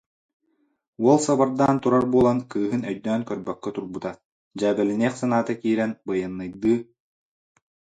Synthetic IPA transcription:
uɔlˠsabaɾd̪aːnt̪uɾaɾbuɔlˠankɯːɦɯnœjd̪œːnkœɾbœkːœt̪uɾbut̪a | d͡ʑaːbɛlinɛːχsanaːt̪akiːɾɛnbɯjɯnːɯjd̪ɯː

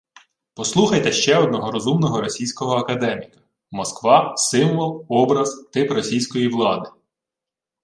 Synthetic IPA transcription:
pɔslˠuxɐjt̪ɛʃt͡ʃɛɔd̪nɔɦɔɾɔzumnɔɦɔɾɔsʲijsʲkɔɦɔɐkɐd̪ɛmʲikɐ̥ | mɔskʋɑsɪmʋɔlˠɔbɾɐzt̪ɪprɔsʲijsʲkɔjiʋlˠɑd̪ɪ

